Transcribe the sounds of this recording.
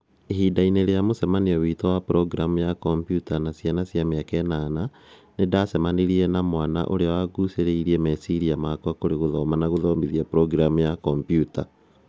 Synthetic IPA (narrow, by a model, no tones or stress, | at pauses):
ehiːdaineɾejamosɛmaneɔwitɔwapɾɔɡɾamujakɔmpjutanasjanasjameakɛnana | nedasɛmaneɾiɛnamwana̰ʔo̰ɾeawaɡuseɾeiɾiɛmɛsiɾiamakwakoɾeɣoðɔmanaɣoðɔmbiðiapɾɔɡɾamujakɔmpjuta